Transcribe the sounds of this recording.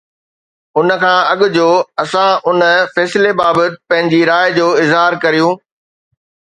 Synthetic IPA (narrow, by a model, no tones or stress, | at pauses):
ʊnə̆kʰãːɐɠʊ̆d͡ʑoːɐsãʊnə̆fɛːsɪlebaːbət̪pɐ̃ɦɪ̃ɲ̆d͡ʑiɾaːjd͡ʑoːɪzɦaːɾkɐɾijũː